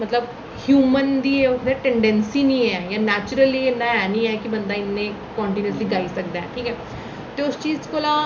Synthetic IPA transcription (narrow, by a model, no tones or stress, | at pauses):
mət̪ləb | hjuːmənd̪iːʊkd̪ɛʈɛɳɖɛ̃nsiːnĩːɛːjãːnɛːt͡ʃɾəliːenaɛːnĩːɛːkibə̃nd̪aːɪnːẽːkɔːɳʈiːnəsliːɡaːiːsək̚d̪aɛ̰̃ːʈʰiːkɛː | t̪eʊst͡ʃiːzkoːlãː